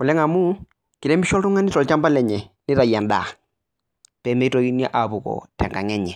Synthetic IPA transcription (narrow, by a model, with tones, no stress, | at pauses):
u˨lɛ˦ŋa˨mu˦ | ki˨ɾɛ˦mi˦ʃɔ˦tu˦ŋa˦ni˦tɔ˨lt͡ʃa˦mba˦lɛ˨ɲɛ˨nɪ˦ɾa˨ja˨nda˨ | pɛ˨˦mɛ˦i˦tɔ˦ki˦n˦ɛ˦ʔa˨pu˨kɔ̰˨tʰɛ̰˨ŋɡa̰˨ŋɛ˦ɲɛ˨